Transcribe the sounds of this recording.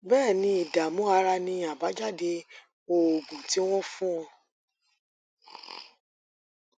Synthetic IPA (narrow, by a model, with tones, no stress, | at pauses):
bɛː˦˨nĩ˧i˨da˨mũ˨˦a˧ɾa˧nĩ˧a˨ba˨˦d͡ʒa˦˨de˧ | o˨o˨ɡũ˨ti˨˦w̃ɔ̃˦fũ˦ɔ̃˧